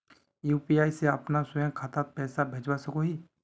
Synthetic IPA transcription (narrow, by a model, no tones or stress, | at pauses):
juːpiaːiseɐpnasʊjãkʰat̪apɛːsabʱed͡ʒwasəkoɦiː